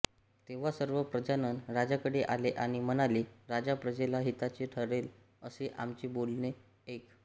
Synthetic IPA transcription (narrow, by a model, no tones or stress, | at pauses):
t̪eʋ̤asəɾʋəpɾəd͡ʑanənɾad͡ʑakəɽeʔaleʔaɽ̃imənaliːɾad͡ʑapɾəd͡ʑelaɦit̪at͡ɕeʈʰəɾel | əseʔamt͡ɕebolne | ek